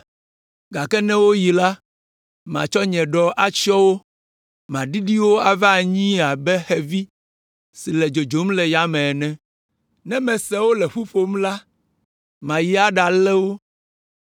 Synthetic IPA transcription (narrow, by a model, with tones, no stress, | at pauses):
ɡa˨kɛ˦nɛ̃˦wo˦ji˨la˦ | mã̰˨t͡ʃɔ˦ɲɛ̃˨ɖɔ˨ʔa˦t͡ʃɔ˦wo˦ | mã˨ɖi˦ɖi˦wo˦a˨va˦˨ɲĩ˦a˨bɛ˦xɛ˨vi˦ | si˨lɛ˨d͡ʒo˨d͡ʒo˨˦m˦lɛ˨ja˨mɛ̃˨nɛ̃˨ | nɛ̃˦mɛ̃˨sɛ˦wo˦lɛ˨ɸu˦fo˨m˦la˦ | mã˨ji˦a˦ɖa˨lɛ˦wo˦